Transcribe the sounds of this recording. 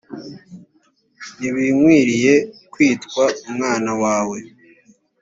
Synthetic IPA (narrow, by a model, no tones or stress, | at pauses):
niβimwiːɾije̞kwiːtkwaumŋaːnawaːwe̞